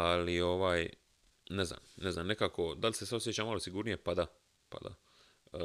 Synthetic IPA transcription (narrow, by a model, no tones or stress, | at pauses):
alio̞ʋaːj | nezna̰mnezaːmnekaːko̞d̪alʲsesaosjet͡ɕamalo̞siɡuːɾnije̞pad̪a | pa̰d̪a̰